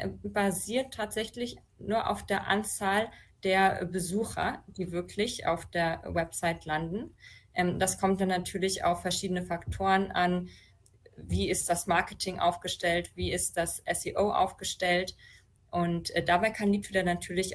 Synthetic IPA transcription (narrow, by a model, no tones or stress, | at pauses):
baziːɐtʰːaːtz̥ɛçlɪç | nuːɐʔa̰ʊfd̥eːɐʔa̰nt͡saːld̥eːɐbəzuːxɐ̰d̥iːvɪɐkʰlɪçʔa̰ʊfd̥eːɐwɛpz̥aɪtlandn̩ʔɛmdaskʰɔmt̚d̥anːatʰyːɐlɪça̰ʊfɛɐʃiːdənəfaktʰoːʁənʔan | viːɪstd̥asmaɐkətʰɪŋʔa̰ʊfɡ̥əʃtɛltv̥iːɪst̚d̥asʔɛsiʔoːʔa̰ʊfɡ̥əʃtɛlt | ʔʊntːd̥abaɪkʰanliːtudɛnatʰyːɐlɪç